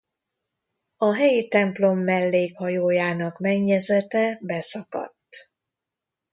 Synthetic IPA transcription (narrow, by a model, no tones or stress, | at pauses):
ɒɦɛjit̪ɛmplo̞mːɛlːeːkhɒjoːjaːnɒkmɛɲːɛzɛt̪ɛbɛsɒkɒ̰t̪ː